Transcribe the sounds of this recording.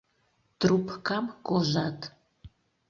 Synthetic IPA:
t̪rupʰkamkoʒat̪ʰ

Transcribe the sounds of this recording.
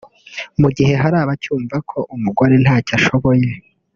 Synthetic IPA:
muɟiɦe̞ɦaɾaːβacuːɱvakʰo̞ʔumuɡo̞ɾe̞n̥haːcaʃo̞βo̞je̞

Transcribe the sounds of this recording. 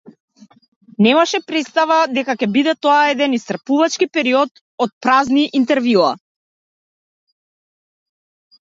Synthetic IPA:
nɛmaʃɛpɾɛt̪st̪avad̪ɛkakɛbid̪ɛt̪ɔaɛd̪ɛnist̪r̩puvat͡ʃkipɛɾiɔt̪ | ɔt̪̚pɾazniʔint̪ɛɾvjua̰

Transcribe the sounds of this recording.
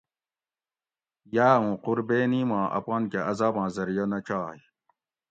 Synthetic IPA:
jaːũːquɾbeːnimãːʔɐ̰paːnkeʔɐzaːbãːzɐɾijɐnɐt͡ɕaːji

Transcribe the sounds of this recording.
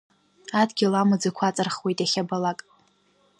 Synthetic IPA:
adɡʲilamɨd͡zɨkʷʰat͡sʼɨrχwejtʼaχʲabalakʼ

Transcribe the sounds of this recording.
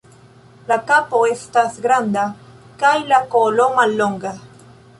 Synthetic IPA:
lakapoest̪asɡɾand̪a | kajlakoloŋaloŋɡa

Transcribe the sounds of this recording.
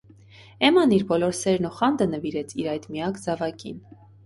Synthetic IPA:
ɛmɑniɾbɔlɔɾsɛɾnuχɑnd̪ənəviɾɛt͡sʰiɾɑjt̪miɑkʰd͡zɑvɑkḭn

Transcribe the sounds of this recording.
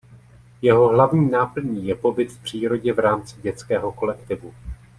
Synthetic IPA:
jɛɦo̞ɦlavɲiːnaːpl̩ɲiːjɛpo̞bɪt̪fpr̝̥iːɾo̞ɟɛvɾaːmt͡sɪ̥ɟɛt͡skɛːɦo̞ko̞lɛkt̪ɪvu

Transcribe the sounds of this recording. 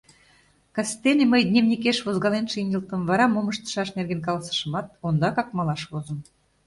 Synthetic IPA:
kɑst̪ːeneməjnʲemnʲikeʃβozɣɑlenʃinʲəlt̪ə̆mvɑɾɑmoməʃt̪ə̥ʃɑʃnerɣenk̬ɑlɑsə̥ʃə̆mɑt̪̚ond̪ɑkɑkmɑlɑʃβozə̆m

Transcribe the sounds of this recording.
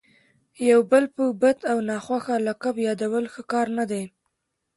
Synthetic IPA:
jawbəlpəbat̪awnɑxwaxalakabjɑd̪awəlxəkɑɾnad̪aj

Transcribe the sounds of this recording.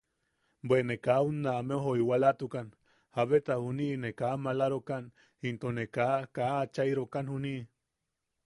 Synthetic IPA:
bwenekaunːameoɦoiwalat̪ukan | haβet̪ahuninekamalaɾokan | int̪onekakaːt͡ʃaiɾokanhuni

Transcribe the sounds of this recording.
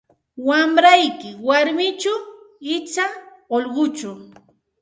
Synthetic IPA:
wamɾajkɪwaɾmɪt͡ʃa | ɪt͡ʃa | oʎɢʊt͡ʃʊ

